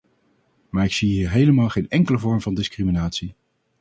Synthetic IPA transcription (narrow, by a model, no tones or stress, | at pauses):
maːɹɪksiɦiːɹɦejləmaːlˠχejnɛŋkələvɔɹmvɑndɪskriminaːtsi